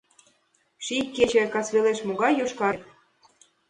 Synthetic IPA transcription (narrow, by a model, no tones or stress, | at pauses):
ʃikʲːet͡ɕĕkɑt͡sβeleʃmoɣɑjːoʃkɑ